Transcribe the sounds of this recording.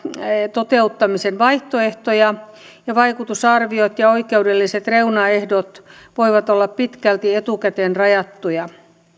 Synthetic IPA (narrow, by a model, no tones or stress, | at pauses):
t̪ot̪eut̪ːɑmisenʋɑiht̪oeht̪ojɑ | jɑʋɑikut̪usɑrʋiot̪jɑoikeudelːiset̪reunɑehdot̪ | ʋoiʋɑt̪olːɑppit̪kælt̪iet̪ukæt̪eːnrɑjɑt̪ːujɑ